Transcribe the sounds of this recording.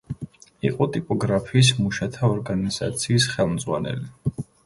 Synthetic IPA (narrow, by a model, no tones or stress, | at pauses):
ḭqʼɔt̪ʼipʼɔɡɾapʰiːs̬muʃat̪ʰaɔɾɡaniz̥a̰t̪sʰiːsχɛlˠmd̪zʁwa̰nɛ̰li